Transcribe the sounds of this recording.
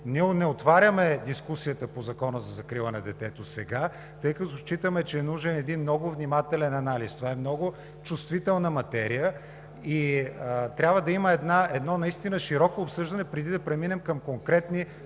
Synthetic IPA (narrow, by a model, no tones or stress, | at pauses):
nʲiɛonɛot̪vaɾʲəmɛd̪iskusijət̪əpozɐkɔnəzɐzɐkɾilˠənɐd̪ɛt̪ɛt̪osɛɡa | t̪ɤjkɐt̪oʃt͡ʃit̪əmɛt͡ʃɛːnuʒɛnɛd̪inmnɔɡʊvnʲimat̪ɛlɛnɐnalist̪ovaɛmnɔɡʊ | t͡ʃust̪vit̪ɛlˠnəmɐt̪ɛɾijə | i | t̪ɾʲabvəd̪ɐiməɛd̪naʔɛd̪nɔnɐist̪inəʃiɾɔkoːpsɤʒd̪ɐnɛpɾɛd̪id̪ɐpɾɛminɛmkɐmkoŋkɾɛt̪ni